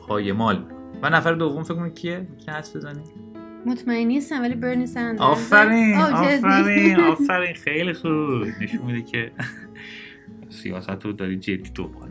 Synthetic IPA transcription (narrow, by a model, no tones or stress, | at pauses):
pʰɒːjemɒːlmikʰovænæfæɾed̪ovːomfekmonicʰiecʰihæsbezɒni | mot̪ʰmæenːist̪ænvælibeɾnisænd̪ɒːfæɾiːnɒːefæɾinɒːfæɾiːnxejlixoɾuːne̞ʃunmid̪ecʰe | sḭjɒ̰ːsæt̪ʰod̪ɒːɾiːd͡ʒed̪ːiːd̪o̰mbɒ̰ːl